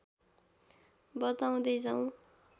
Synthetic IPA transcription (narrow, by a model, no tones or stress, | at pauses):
bʌt̪aw̃d̪ʌjd͡zaw̃